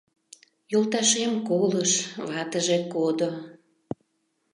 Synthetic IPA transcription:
jolˠt̪ɑʃemkoləʃβɑt̪əʒekod̪o

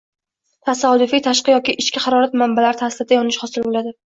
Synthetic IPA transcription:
t̪ʰasad̪ʊfijt̪ʰaʃqɨjɒkʲɪʔɪʃkʲaχɑɾɒɾat̪mambalaɾɪt̪ʰasɪlɪd̪ajɒnɪʃχɒsɪllad̪ɪ

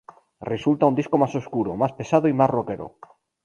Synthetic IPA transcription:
result̪aund̪iskomasoskuɾomaspesað̞oimazrokeɾo̰

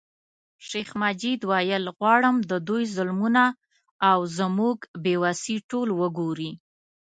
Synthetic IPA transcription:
ʃexmad͡ʒid̪wɑjəlɣwɑɽəmd̪əd̪ujzʊlmunaː | wzəmuɡbewasiʈolwəɡoɾi

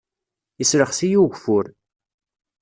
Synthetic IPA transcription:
isɾəχsijuʝfʊɾ

